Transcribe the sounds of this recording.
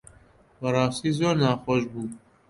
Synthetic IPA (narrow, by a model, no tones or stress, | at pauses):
bɐɾɑːst̪iːzoːɾnɑːxoʃbuː